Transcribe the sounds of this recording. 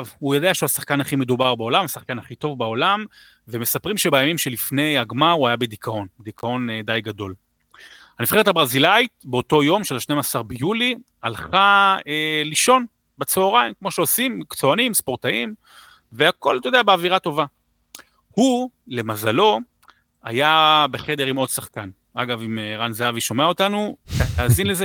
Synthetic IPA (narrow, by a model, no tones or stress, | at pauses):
vhujod̪eaʃhasaχkanhaχime̞d̪ubaʁbao̞lamasaχkanaχito̞vbaolam | veme̞sapʁimʃebajamimʃe̞lifne̞jaɡmauajabe̞dikʰao̞nd̪ikʰao̞nd̪ajɡad̪o̞l | hamifχe̞etabʁazilait̚beo̞to̞jo̞mʃelaʃnemasaʁbejuli | alχaeliʃo̞n | bet͡sooʁaimkmo̞ʃeosimkt͡soanimspo̞ʁtaim | veako̞̰ltojodeabeaviʁato̞va | hule̞mazalo̞ | a̰jabe̞χe̞de̞ʁimo̞dsaχkan | aɡavimeʁanzeaviʃo̞meaotanuataːzinleze